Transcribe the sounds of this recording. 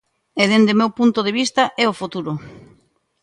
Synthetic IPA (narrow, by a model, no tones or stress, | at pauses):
eðend̪emewpunt̪oðeβist̪ɐʔɛofut̪uɾo